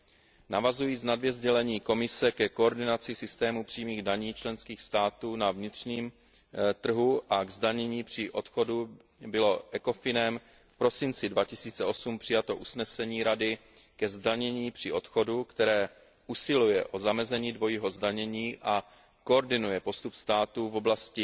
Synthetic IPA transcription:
navazujiːt͡snadvjɛzɟɛlɛɲiːko̞mɪsɛkɛko̞ːɾdɪnat͡sɪsɪst̪ɛːmupr̥iːmiːɣdaɲiːt͡ʃlɛnskiːxst̪aːt̪uːnavɲɪt̪r̝̥ɲiːm | t̪r̩ɦuʔaɡzdaɲɛɲiːpr̝̥ɪʔo̞t̪xo̞du | bɪlo̞ʔɛko̞fɪnɛm | fpɾo̞sɪnt͡sɪdvacɪsiːt͡sɛʔo̞sumpr̥ɪjat̪o̞ʔusnɛsɛɲiːɾadɪ | kɛzdaɲɛɲiːpr̥ɪʔo̞t̪xo̞dukt̪ɛɾɛː | ʔusɪlujɛʔo̞zamɛzɛɲiːdvo̞jiːɦo̞zdaɲɛɲiːʔa | kooɾdɪnujɛpo̞st̪upst̪aːt̪uvo̞blascɪ

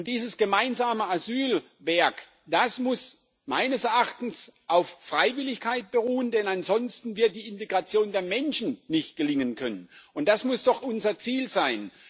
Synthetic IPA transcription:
ʊntd̥iːzəsɡ̥əmaɪnzaːməazyːl | vɛɐk | d̥asmʊs | maɪnəsɛɐʔaχtn̩sʔaʊffʁ̥aɪvɪlɪçkʰaɪt̚b̥əʁuːəndɛnanzɔnstn̩vɪɐt̚d̥iːɪnteɡʁat͡sjoːndeːɐmɛnʃn̩nɪçt̚ɡ̥əlɪŋənkʰœnənʊnt̚d̥asmʊsd̥ɔχʔʊnzɐt͡siːlzaɪn

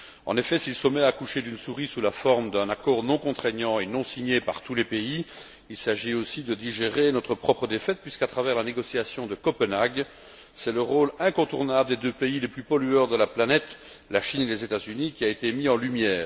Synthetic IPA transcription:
ɑ̰̃nefɛsilsəmɛakuʃed̪ynsuʁisulafɔʁmd̪ɛ̃nakɔʁnɔ̃kɔ̃t̪χɛɲɑ̃enɔ̃siɲepa̰ʁt̪ulɛpei | ilsaʒiosid̪əd̪iʒeʁenɔt̪χəpχɔpχəd̪efɛt̪̚pɥiskat̪χavɛʁlaneɡɔsiasjɔ̃d̪əkɔpənaɡ | sɛləʁoːlɛ̃kɔ̃t̪uʁnabləd̪ed̪øpeileplypɔlyœʁd̪əlaplanɛt̪ | laʃinelezet̪azynikʲiaet̪emiɑ̃lymjɛːʁ

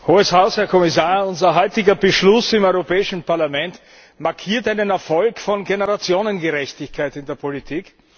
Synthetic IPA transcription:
hoːəshaʊshɛɐkʰɔmɪsaːɐʊnzɐɦɔʏtɪɡɐbəʃlʊsɪmɔʏʁopɛːɪʃn̩paɐlamɛnt | maɐkʰiːɐtaɪnənɛɐfɔlkfɔnɡenəʁat͡sjoːnənɡeʁɛçtɪçkʰaɪtɪndeːɐpʰolitʰiːk

